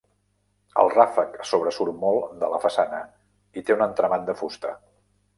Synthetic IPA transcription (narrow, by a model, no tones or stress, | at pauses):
ə̰lˠrafəksoβɾəsuɾmolˠd̪ələfəsanə | it̪eunənt̪ɾəmat̪d̪əfust̪ə̰